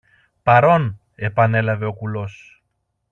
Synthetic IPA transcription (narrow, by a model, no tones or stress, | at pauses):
pɐɾo̞n | e̞pɐne̞lɐve̞o̞kulo̞s